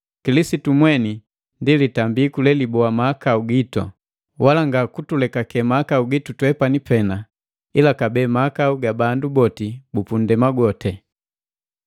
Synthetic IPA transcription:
kilisitumwɛni | ndilitambiːkulɛlibɔamaːkauɡitɔ̰ | wʔalaŋɡakutulɛkakɛmaakauɡitutwɛpanipɛna | ilakabɛːmaːkauɡabandubɔtibupundɛmaɡɔtɛ

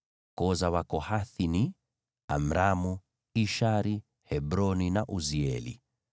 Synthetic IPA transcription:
kɔzawakɔhaθini | a̰m̩ɾamu | iʃaɾi | hɛbɾɔninaʔuziɛ̰lḭ

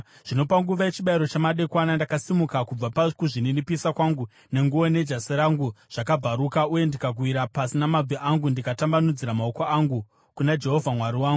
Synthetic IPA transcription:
ʐ̥ino̞paŋɡuʋae̞t͡ʃiɓaiɾo̞t͡ʃamaɗe̞kwanandakasimukakub͡vapakuʐininipisakwaŋɡu | ne̞ŋɡuʋone̞d͡ʒaseɾaŋɡuʐ̥akab͡vaɾukauje̞ndikaɡʱwiɾapasinamab͡vʱiʔaŋɡundikatambanud͡ziɾamaokoaŋɡu | kunad͡ʒe̞ɦo̞vʱamwaɾiwaːŋɡu

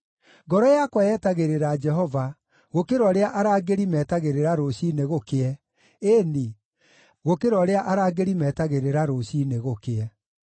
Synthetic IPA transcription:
ɡɔɾɔjakwajɛːtaɣeɾeɾad͡ʒɛɦɔva | ɣokeɾwɔɾeaʔaɾaːɡeɾimɛːtaɣeɾeɾaɾoɕineɣokeɛ | eni | ɣokeɾwɔɾeaʔaɾaːɡeɾimɛːtaɣeɾeɾaɾoɕineɣokeɛ

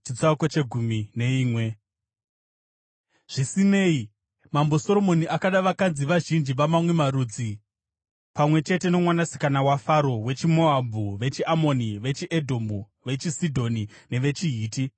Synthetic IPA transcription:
t͡ʃit͡sakot͡ʃe̞ɡʱumine̞iːmwe̞ | ʐ̥isine̞ːi | mambo̞soɾo̞mo̞niʔakaɗaʋakanziʋaʒind͡ʒiʋamamwe̞maɾuːd͡zi | pamwe̞t͡ʃe̞te̞no̞mwanasi̥kanawafaɾo̞we̞t͡ʃimo̞abʱuʋe̞t͡ʃiamo̞niʋe̞t͡ʃiʔedʱombu | ʋe̞t͡ʃisidʱo̞nine̞ʋe̞t͡ʃiɦiːti

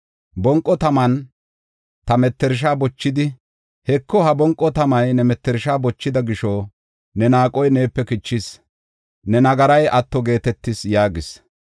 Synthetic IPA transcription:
bɔŋkʼːɔt̪ɐmɐn | t̪ɐmɛt̪ːɛɾʃ̬aːbɔt͡ʃːɪd̪ɪ | hɛkːɔhɐbɔŋkʼːɔt̪ɐmɐjnɛmɛt̪ːɛɾʃaːbɔt͡ʃːɪd̪ɐɡɪʃɔ | nɛnaːkʼɔjne̞ːpːɛkɪt͡ʃːɪs | nɛnɐɡɐɾɐjʔɐt̪ːɔɡe̞ːt̪ɛt̪ːɪsjaːɡɪs

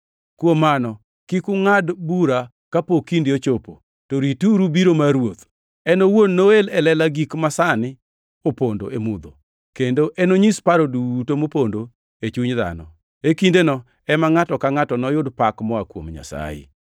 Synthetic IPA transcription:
kwomːanɔ | kikʊŋadbuɾa | kapokindɪot͡ʃopo̰ | toɾituɾubiɾomaɾwot̪ | ɛnowonːoelɛlɛlaɡikmasanɪ | opondo̰emud̪o̰ | kendoʔɛnoɲispaɾodutomopondo | et͡ʃuɲða̰nɔ̰ | ekindenɔ | ɛmaŋatɔkaŋatɔnɔjʊdpakmɔakwo̰mɲa̰sa̰jɪ̰

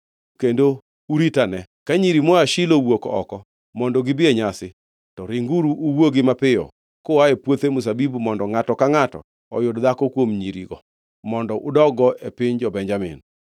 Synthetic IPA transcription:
kendo | uɾitanɛ | kaɲiɾimɔaʃilowokɔ̰kɔ | mɔndɔɡɪbɪeɲasɪ | tɔɾɪŋɡuɾuʔːwoɡɪmapɪɔ̰ | koaepwot̪emʊs̬abibumɔndɔŋatɔkaŋatɔ̰ | ɔ̰jʊdd̪akɔkwomɲiɾḭɡɔ | mɔndɔʔʊdɔɡɔepɪɲd͡ʒɔbɛɲd͡ʒamɪ̰n

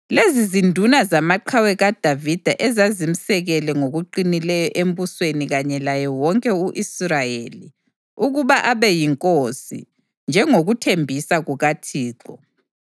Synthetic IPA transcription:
lezizindʱunazamaǃʰawɛɣad̥ʱavid̥ʱaʔɛzazim̩sɛɣɛlɛŋoɣuǃinilɛjɔʔem̩busweniɣaɲɛlajɔwɔŋkʼɛuʔisrajeli | uɣuβaʔaβɛjiŋkʼosḭ | nd͡ʒʱɛŋoɣutʰembʱisaɣuɣatʰiːǃɔ

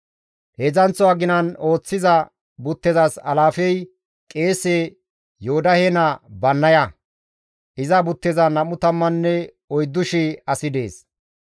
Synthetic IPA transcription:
heːzɐnt͡sːɔaɡɪnɐno̞ːt͡sːɪzɐ | bʊt̪ːɛzɐsɐ̰laːfɛj | kʼe̞ːseː | joʊd̪ɐhenɐbɐnːɐjɐ | ʔɪzɐbʊt̪ːɛzɐnɐmʊt̪ɐmːɐnːɛ | ɔjd̪ːʊʃɪɐsɪd̪e̞̰ːs

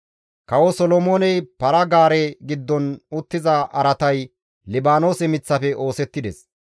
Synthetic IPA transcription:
kɐwɔsɔlɔmoːnɛjpɐɾɐɡaːɾɛɡɪd̪ːɔnʊt̪ːɪzɐʔɐɾɐt̪ɐj | lɪbaːno̞ːsɛmɪt͡sːɐfɛʔo̞ːsɛt̪ːɪd̪ɛs

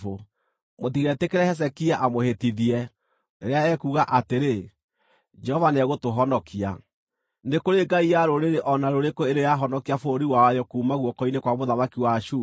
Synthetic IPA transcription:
o | motiɣɛtekeɾɛhɛs̬ɛkiaʔamohetiðiɛ | eɾeaɛkuɣaʔateɾe | d͡ʒɛhɔvanɛɣotoɦɔnɔkʰia | nekoɾeɡaiaɾoɾeɾeʔɔnaɾoɾekoeɾejaɦɔnɔkiafoɾiwajɔkuːmaɣwɔkɔinekwamoðamakiwaʃu

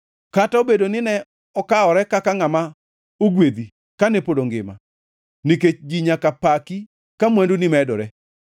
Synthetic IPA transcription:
kataobedonɪnɛ | ɔkaɔɾɛkakaŋama | oɡwed̪i | kanepodoŋɡɪma̰ | niket͡ʃd͡ʒiɲakapaki | kamwɛndunɪmɛdɔɾɛ

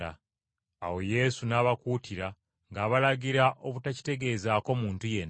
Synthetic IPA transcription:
a | awo̞je̞ːsunaːβakutiɾa | ŋɡaːβalaɟiɾaʔoβutaci̥te̞ɡe̞ːzaːko̞muːntuje̞nː

